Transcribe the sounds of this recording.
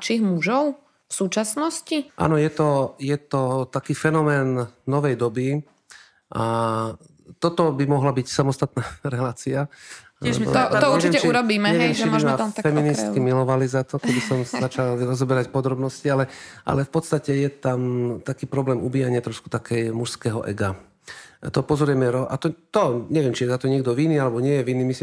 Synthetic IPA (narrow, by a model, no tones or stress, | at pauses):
at͡ʃiːɣmuʒɔʊ | fsuːt͡ʃasnɔsciʔa̰nɔjɛt̪ɔjɛt̪ɔt̪akiːfɛnɔmɛːnnɔʋɛjd̪ɔbi | ʔa | t̪ɔt̪ɔbimɔɦlabicsamɔst̪at̪naːɾɛlaːt͡sia | alɛ̰ɔ̰t̪ɔuɛʋɪiɛmɛt͡ʃuɾɔbiːmɛɲɛʋɪɛmt͡ʃiimat̪fɛminist̪kimilɔʋalizat̪ɔkɛbisɔmsat͡ʃalɾɔzɔbɛɾacpɔd̪ɾɔbnɔscialɛʔa̰lɛfpɔt̪st̪acɛjɛt̪amt̪akiːpɾɔblɛːmubiːjaɲɪat̪ɾɔʃku̥t̪akʰɛjmuʃskɛɦɔʔɛ̰ɡa | t̪ɔpɔzɔɾʊɛmɛɾɔʔat̪ɔt̪ɔɲɛʋɪɛmt͡ʃijɛzat̪ɔɲɪɛɡ̚d̪ɔʋiniːalɛbɔɲɪɛjɛʋiniːmisi